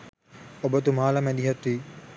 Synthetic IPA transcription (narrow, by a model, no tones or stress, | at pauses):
obət̪umaːlɐmɛd̪iɦɐt̪iː